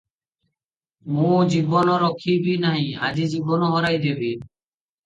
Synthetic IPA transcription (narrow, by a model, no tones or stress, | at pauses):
mũd͡ʑibɔnɔɾɔkʰːibinaɦĩa̰d͡ʑid͡ʑibɔnɔɦɔɾajd̪ebi